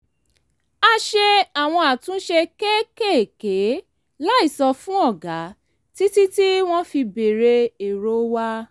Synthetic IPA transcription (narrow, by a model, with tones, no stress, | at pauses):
a˧ʃe˧a˨w̃ɔ̃˧a˨tũ˨˦ʃe˧ke˦ke˦˨ke˨˦ | la˦i˦˨sɔ˧fũ˦ɔ˦˨ɡa˨˦ | ti˦ti˦ti˦w̃ɔ̃˦fi˧be˨ɾe˧e˨ɾo˦wa˦